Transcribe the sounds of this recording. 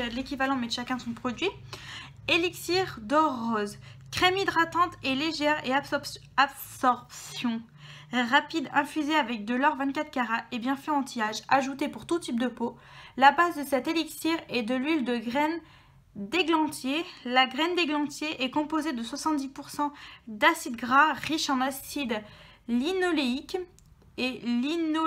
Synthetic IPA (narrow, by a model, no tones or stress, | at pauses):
lekʲivalɑ̃mɛd̪ʃakʲɛ̃sɔ̃pχɔd̪ɥi | eliksiʁd̪ɔʁːɔzkχemid̪ʁat̪ɑ̃t̪eleʒɛʁea | absɔʁpsjɔ̃ | ʁapid̪ɛ̃fyzeavɛk̚d̪əlɔʁvɛ̃t̪̚kʲat̪χkʲaʁaʔebjɛ̃fɛɑ̃t̪ʰijaʒaʒut̪epuʁt̪ut̪ip̚d̪əpo | labazd̪əsɛt̪eliksiʁɛd̪əlyld̪əɡʁɛn | d̪eɡlɑ̃t̪jelaɡʁɛnd̪eɡlɑ̃t̪jeʔɛkɔ̃pozed̪əswasɑ̃t̪̚d̪ipuʁsɑ̃d̪asid̪ɡʁaʁiʃɑ̃nasid̪ | linoleik | elino